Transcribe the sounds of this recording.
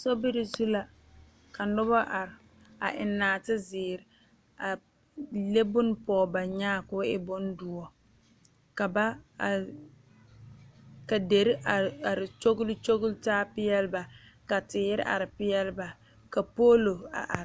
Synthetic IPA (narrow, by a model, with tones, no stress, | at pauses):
sɔ˦bɪ˦ɾɪ˨zu˦la˦ | ka˨nʊ˦ba˦ʔa˨ɾɪ˨ | a̰˨ʔɪ˨nːaː˨tɪ˦zɪː˨ɾ | a˨ | le˦bʊ˦n˦pɔː˨ba˨ɲaː˦˨kʊ˦ɪ̰˦bʊ˦ndʊ˦ɔ˨ | ka˨ba˦˨ | ka˨de˨ɾɪ˦ʔa˨a˨ɾɪ˨t͡ʃo˦ɡʊ˦lɪ˦t͡ʃo˦ɣʊ˦ltaː˦pɪ˦jɛ˦lba˨ | ka˨tɪ˨jɪ˦ɾɪ̰˦ʔa̰˨ɾɪ˨pɪ˦jɛ˦lba˨ | ka˨poː˦lo˨a̰˨ʔa˨ɾ